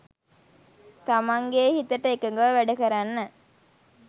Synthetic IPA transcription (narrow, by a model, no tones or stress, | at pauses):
t̪amaŋɡeːhit̪əʈəekɐŋɡəʋʋæɖɐkɐɾanːə